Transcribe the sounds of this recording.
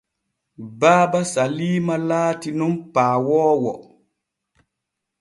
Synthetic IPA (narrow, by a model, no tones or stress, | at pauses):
baːbasaliːmalaːtinumpaːwɔːwɔ